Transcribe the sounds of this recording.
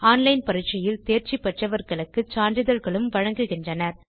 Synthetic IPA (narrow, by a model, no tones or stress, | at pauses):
aːnlɐɪnpɐɾɪt͡ʃːɐjɪlt̪eːɾt͡ʃipːɛʈrɐʋɐɾɣɐɭɯkːɯt͡ʃaːɳɖɪðɐɾɣɐɭɯmʋɐɻɐŋɡɯɣɪndrɐnɐɾ